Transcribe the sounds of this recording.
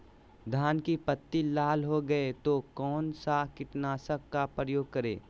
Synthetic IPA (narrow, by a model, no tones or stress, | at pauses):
d̪ʱaːnkipət̪ːilaːlɦoɡɐet̪okɔːnsakɪʈnaːsəkːapɾəjoːɡ̚kɐɾḛː